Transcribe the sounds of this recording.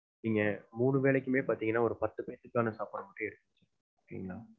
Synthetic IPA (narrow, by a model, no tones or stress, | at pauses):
nɪŋɡɐmuːɳɯʋeːɭɛkːɯmeːpaːɾt̪iːŋɡɐnːaːɔɾɯpɐt̪ːɯpɐjt̪ɯkːaːnɐsaːpɐɽɐmɐʈːɯ̃ɛɽɯt̪ːɯt͡ʃːɯ | oːkːɐjɪŋɡɐɭaː